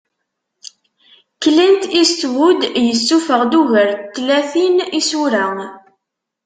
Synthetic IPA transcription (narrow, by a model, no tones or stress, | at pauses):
kːlənt̪ist̪wud̪jəsːufəʁd̪uʝəɾt̪ːlæθinisuɾæŋ